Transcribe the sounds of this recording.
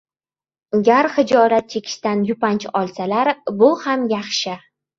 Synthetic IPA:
ɡʲaɾχɪd͡ʒɒlat̪̚t͡ʃʰe̞kʲʰɪ̥ʃt̪anjʊpant͡ʃʰɒlˠsalaɾbʊhamjaχʃɪ

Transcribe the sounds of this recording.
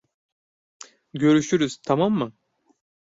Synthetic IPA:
ɟø̞ɾyʃyɾyz̥t̪ʰamamːɯ

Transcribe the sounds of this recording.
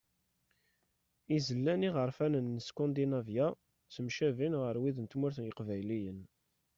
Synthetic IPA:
izəlːæniʁəɾˤfænənːəskɔ̃nd̪inævja | t͡səmʃævinʁəɾwiðənt̪mʊɾθənjəqvæjlijən

